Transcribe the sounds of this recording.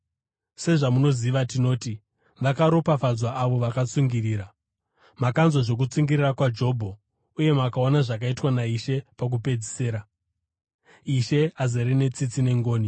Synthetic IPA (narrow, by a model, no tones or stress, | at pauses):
se̞ʐamuno̞ziʋatino̞ːti | ʋakaɾo̞pafad͡zwaʔaʋo̞ʋakat͡suŋɡiriːɾa | makanzoʐo̞k̬ut͡suŋɡirirakwad͡ʒo̞ːbʱo̞ | uje̞makaonaʐak̬aitwanaiʃe̞pak̬upe̞d͡zi̥se̞ːɾa | iʃe̞azeɾine̞t͡sit͡sine̞ŋɡo̞ːni